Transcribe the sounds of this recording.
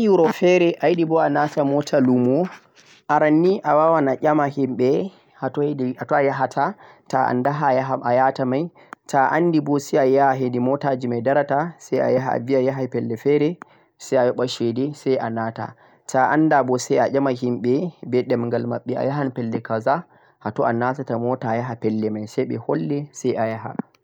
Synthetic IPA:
juɾɔfɛɾɛʔajiɗibɔanatamɔtʰalumɔ | ʔaɾanːiʔawawanaʔʲamahimɓɛ | hatɔatɔajaɦatʰa | taa̰ndaɦajaɦʔajatamaj | taʔandibɔsɛajaɦedimɔtad͡ʒimajdaɾatasaja̰jaɦaa̰viajaɦajpɛlːɛfɛɾɛ | sajajɔɓaʃɛdɛsajʔanata̰ | taʔandabɔsɛjaʔʲamaɦimɓɛbɛɗɛmŋɡalmaɓːɛa̰jaɦanpɛlːɛkaza | hatɔʔanatatamɔtajaɦapɛlːɛmajsɛjɓɛ̰hɔlːɛsajʔajaɦa̰

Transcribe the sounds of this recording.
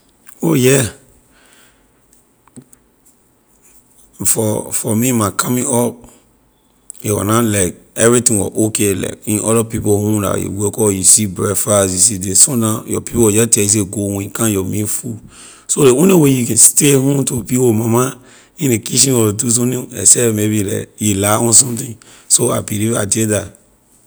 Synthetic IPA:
ojɛ | fɔfɔmĩmãkʰamĩŋɔp̚ | ewɔ̰nalaɪk̚ɛvɹitĩŋwɔ̰ʔokela̰ɪkĩnʔɔlɔpipohũla̰jṵwekɔjusibɹɛfasjusidesõnãjɔ̰pipowɔd͡ʒɛtɛis̬eɡoɛ̃ikãnjɔmĩfu | soleũnewejukɛ̃nstehũtopiomama | ĩnekiʃ̬ĩnɔlodus̬õnĩɛ̰sɛmebilɛ̰jilaɔ̃nsɔ̃mtĩŋ | soabiliva̰deda

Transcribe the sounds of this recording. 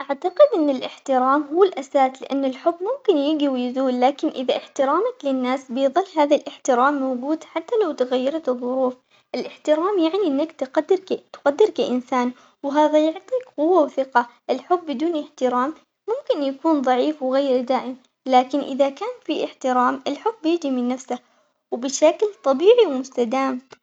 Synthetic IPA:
ʔaʕt̪aqɪd̪ʔɪnːɪlʔɪħt̪ɪɾaːmɦʊːɪlʔasaːslɪʔanːɪlħʊbːmʊmkɪnjɪɡiwjɪzuːlːaːkɪnʔɪðaʔɪħt̪ɪɾaːmaklɪnːaːsbɪðˤɨlːhaːðalʔɪħt̪ɪɾaːmːawɡuːd̪ħat̪ːalawt̪ɪɣajːɑɾˤɑt̪ɨðˤːʊɾuːf | ʔɪlʔɪħt̪ɪɾaːmjaʕniʔɪnːakt̪qad̪ːɪɾt̪qad̪ːɪɾkaʔɪnsaːn | wɦaːðajʊʕt̪ˤiːkqʊwːawθɪqɑʔɪlħʊbːɪd̪uːnʔɪħt̪ɪɾaːmː | ʊmkɪnjakuːnðˤɑʕiːfwɣeːɾd̪aːʔɪm | laːkɪnʔɪðakaːnfiʔɪħt̪ɪɾaːmʔɪlħʊbːjɪd͡ʒimɪnːafsa | wbɪʃaklt̪ˤɑbiːʕiwmʊst̪ad̪aːm

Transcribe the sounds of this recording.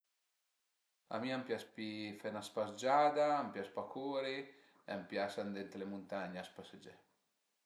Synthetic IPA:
a̰miampjaspifɛnaspasd͡ʒaːd̪aːmpjaspakʰoːɾi | eampjasand̪ɛnt̪ɾelemunt̪aɲaaspased͡ʒɛ̰

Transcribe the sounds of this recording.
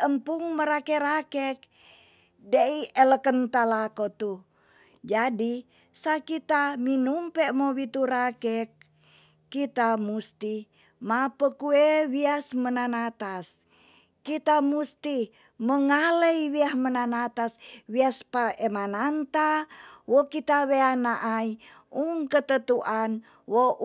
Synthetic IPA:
əmpuŋməɾakeɾakɛk̚ | deiələkənt̪alakot̪u | d͡ʒadi | sakit̪aminumpɛʔmowit̪uɾakɛk̚ː | it̪amust̪i | mapəkuewiasmənanat̪as | kit̪amust̪i | məŋaləiwiahmənanat̪aswiaspaemanant̪awokit̪aweanaʔai | uŋkət̪ət̪uʔan | wo

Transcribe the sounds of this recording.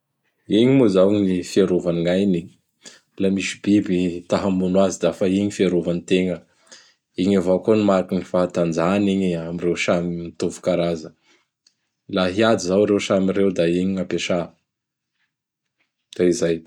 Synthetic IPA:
iɲimuzawɲifiaɾovaniŋajni | lamisi̥bibit̪aɦamunwazid̪afaiɲifiaɾovanit̪eŋə | iɲavakonimaɾakinifaat̪and͡zaniɲiamirewsaminit̪ovu̥kaɾazə | laɦiad̪izawɾewsamiɾewd̪aiɲiŋapeʃa | d̪̥aizaj

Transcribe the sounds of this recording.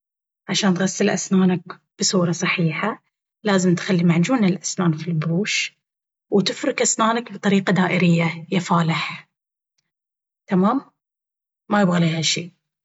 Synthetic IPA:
ʕaʃaːnt̪ɣasːɪlʔa̰snaːnak | b̥ɨsˤuːɾˤɑsˤɑħiːħa | laːzɪmt̪xalːimaʕd͡ʒuːnalʔasnaːnfilbɾuːʃ | wt̪ɪfɾɪkʔasnaːnakbɨt̪ˤɑɾiːqad̪aːʔɪɾɪjːajafaːlɪħ | t̪amaːmː | ajɪbɣaliːhaʃiː

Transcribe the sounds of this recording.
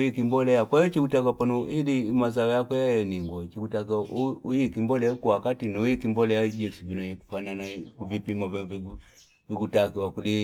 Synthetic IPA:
jikimbɔlɛjakwajɔt͡ʃikutak̬apanɔilimazawɔjakwɛjajɛniŋɡwɔt͡ʃikutakaʔuujikimbɔlɛukuwakatinɔujikimbɔlɛjad͡ʒɛsuvinaɲiku̥fananakuvipimavviu | viɡutakiwakuli

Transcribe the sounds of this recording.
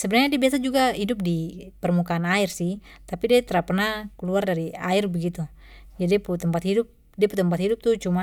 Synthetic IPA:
sɛbɛnarɲadiabiasad͡ʒuɡaɦidup̚dipɛrmukanairsih | t̪apidiat̪ɛɾapnakɛluardaɾia̰irbɛɡit̪u | d͡ʒadiput̪ɛmpat̪hidup̚ | diaput̪ɛmpat̪hidup̚t̪ut͡ʃuma

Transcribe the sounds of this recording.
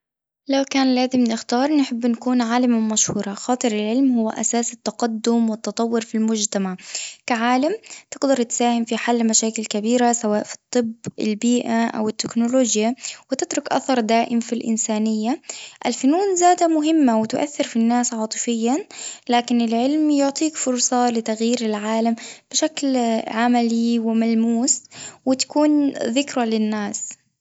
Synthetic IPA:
lawkaːnlaːzɪmnɪxt̪ɑːɾˤnɪħɪbːnakuːnʕaːlɪmamaʃhuːɾˤɑxɑːt̪ˤɨɾɪlʕɪlmhʊwːa̰ʔa̰saːsɪt̪ːɑqɑd̪ːʊmwɪt̪ːɑt̪ˤɑwːʊɾfilmʊd͡ʒt̪amaʕkaʕaːlamt̪ɪɡd̪ɑɾˤt̪saːhɪmfiħalːmaʃaːkɪlkabiːɾasawaːʔfi̥t̪ˤːɨbɪ̰lbiːʔaʔa̰wɪt̪ːɪknʊloːd͡ʒjawɪt̪ɪt̪ɾʊkʔa̰θɑɾˤd̪aːʔɪmfilʔɪ̰nsaːnɪjːaʔɪlfʊnuːnzaːd̪amʊɦɪmːawɪt̪ʊʔa̰θːɪɾfinːaːsʕɑːt̪ˤɨfɪjːanlaːkɪnɪlʕɪlmjʊʕt̪ˤiːkfʊɾˤsˤɑlɪt̪aɣjiːɾɪlʕaːlamb̥ɪʃaklʕamaliwɪmalmuːswɪt̪ḁkuːnðɪkɾalɪnːaːs

